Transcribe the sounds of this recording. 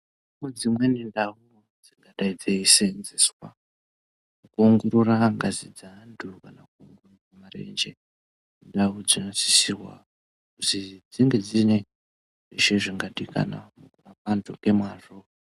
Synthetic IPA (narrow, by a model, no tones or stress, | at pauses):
mud͡zimwe̞nindau | d͡ziŋɡaɗaid͡zeisenzeswa | mukuuŋɡuɾuraŋɡazid͡zandʰukanakuːŋɡoruramarḛnd͡ʒe | ndaud͡zinosi̥sirwa̰ | kutid͡ziŋɡe̞d͡zine | reʃeʐiŋɡaɗikʰa̰na̰mukurapantʰukɡe̞mwaro